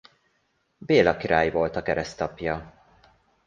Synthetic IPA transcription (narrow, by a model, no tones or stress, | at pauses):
beːlɒkiɾa̰ːjivo̞lt̪ɒkɛɾɛst̪ɒpjɒ